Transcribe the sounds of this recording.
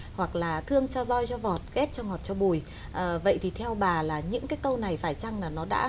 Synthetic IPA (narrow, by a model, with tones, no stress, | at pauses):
hwa˨˩k̚laː˨˩t̪ʰɨ˧əŋt͡ɕɔ˧zɔ˧jt͡ɕɔ˧vɔ˨˩t̚ɣe˦˥t̚t͡ɕɔ˧ŋɔ˨˩t̚t͡ɕɔ˧ɓu˨˩j | ʔəː˨˩və̰˧˨jt̪ʰi˨˩t̪ʰɛ˧wɓaː˨˩laː˨˩ɲɨ̰˧˥ŋkaː˨˦jk̪ə˧wna˨˩jfaː˧˩jt͡ɕa˧ŋlaː˨˩nɔ˨˦ɗa̰ː˧˥